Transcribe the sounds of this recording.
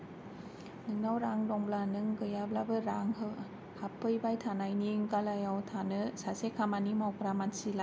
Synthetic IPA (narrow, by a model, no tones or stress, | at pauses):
nɯŋnawɾaŋdɔŋblanɯŋɡɯjablabɯɾaŋɦ | hapʰːɯjbajtʰanajniŋkalajawtʰanɯsasekʰamanimawkʰɾamansila